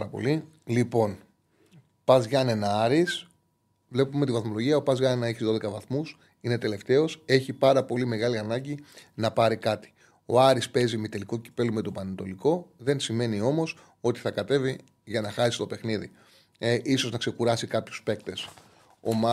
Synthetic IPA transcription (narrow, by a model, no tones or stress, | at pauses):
ɾɐpo̰li | lipo̞n | pɐzʝɐne̞nɐɐɾis | vle̞pumet̪ivɐθmo̞lo̞ʝiɐopɐzʝɐnenɐeçizðo̞ðe̞kɐvɐθmus | ine̞t̪e̞le̞ft̪e̞o̞se̞çipɐɾɐpo̞lime̞ɣɐliɐnɐɟinɐpɐɾikɐt̪i̥ | o̞̰ɐɾispe̞zimet̪e̞liko̞ci̥pe̞lume̞t̪o̞pɐnent̪o̞liko̞ðe̞nsime̞nio̞mo̞s | o̞t̪i̥θɐkɐt̪e̞vi | ʝɐnɐxɐsi̥st̪o̞pe̞xniðḭ | ʔiso̞znɐkse̞kuɾɐsikɐpçu̥spe̞kt̪e̞s | o̞̰mɐ